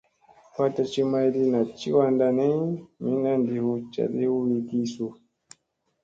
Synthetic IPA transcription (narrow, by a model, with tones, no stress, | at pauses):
pa˦ta˦t͡ʃi˦ma˦i˦ɾi˦na˨t͡ʃi˦wa˦nda˧nɛ˦i˦mi˦na˦ndi˨hu˦t͡ʃa̰˨ɗi˦u˦wi˨ki˦su˨